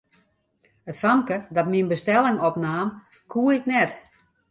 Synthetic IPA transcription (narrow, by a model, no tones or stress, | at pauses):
ətfamkədɔtminbəstɛlˠɪŋɔpnaːm | kʰuəɪknɛt